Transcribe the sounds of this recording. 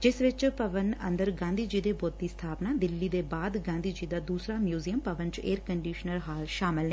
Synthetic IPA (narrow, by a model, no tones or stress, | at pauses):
d͡ʒɪsʋɪt͡ʃpəʋənə̰nd̪əɾɡãːnd̪iːd͡ʒiːd̪eːboːt̪ːiːst̪ʰaːpnaːd̪ɪlːiːd̪eːbaːd̪ɡãːnd̪iːd͡ʒiːd̪aːd̪uːsɾaːmjuːzijəmpəʋənt͡ʃeːɾkəɳɖiːʃnəɾɦaːlʃaːmɪlɦɛː